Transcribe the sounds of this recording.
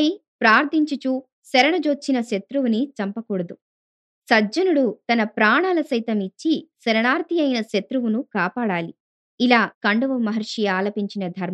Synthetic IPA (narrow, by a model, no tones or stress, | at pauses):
i | pɾaːɾd̪ʰʱiɲt͡ʃut͡ʃuː | sɛɾɐɳɐd͡ʒoːt͡ʃːinɐʃet̪ɾuʋunit͡ʃɐmpɐkuːɽɐd̪u | sɐd͡ʒɐnuɽut̪ɐnɐpɾaːɳaːlɐsɐjt̪ɐmit͡ʃːisɐɾɐɳaːɾt̪ʰijɐjnɐʃet̪ɾuʋunukaːpaːɽaːli | ilaːkɐɳɖuʋɐmɐɦɐɾʂijaːlɐpiɲt͡ʃinɐd̪ʱɐɾmɐ